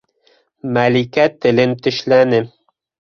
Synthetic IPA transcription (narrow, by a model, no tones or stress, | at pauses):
mælikʲæt̪ʰːɪ̆lɪnt̪ʰɵ̆ʃlænɪ